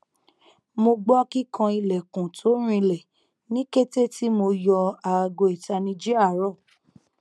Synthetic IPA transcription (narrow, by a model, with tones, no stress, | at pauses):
mo˧ɡ͡bɔ˦ki˦kã˧i˧lɛ˨kũ˨tʰo˨˦ɾ̃ĩ˧lɛ˨ | nĩ˨˦ke˦te˦˨ti˦mo˧jɔ˧a˨˧˨ɡo˧i˨ta˧nĩ˧d͡ʒe˦a˦˨˦ɾɔ˦˨